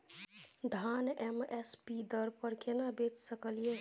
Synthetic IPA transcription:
d̪ʱanɛmespid̪əɾpəɾkenabet͡ʃsəkəlije

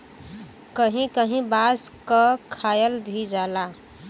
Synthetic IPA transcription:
kəɦĩkəɦĩbaskəkʰajəlɾʱid͡ʒala

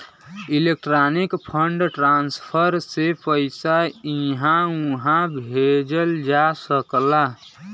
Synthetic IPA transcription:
ilek̚ʈɾanikpʰəɳɖʈɾanspʰəɾsepəɪsaiɦãũɦãbʱed͡ʒəld͡ʒasəkla

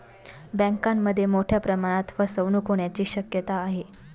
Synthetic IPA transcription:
bə̃ŋkamːəd̪ʱːjemoʈʰjapɾəmaɽ̃at̪ʋəsəʋnuːkʰoɳjat͡ɕiːɕəkjət̪aːɦe

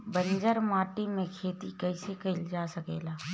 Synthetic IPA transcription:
bə̃ɲd͡ʒəɾmaːʈimẽkʰeːt̪ikəɪsekɐɪld͡ʒaːsəkḛːlaː

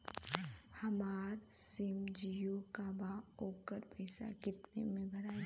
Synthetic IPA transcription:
hɐmaːɾsɪmd͡ʒijokabaːoːkəɾpəɪsa̰kɪt̪nḛmẽbʱɐɾaːe

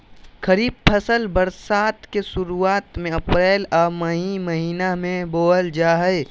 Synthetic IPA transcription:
kəɾiːb̚pʰəsəlbəɾsaːt̪kesʊɾuaːt̪mẽɐpɾɛːlɔːməɦiməɦiːnamẽboːəld͡ʒaːɦəe

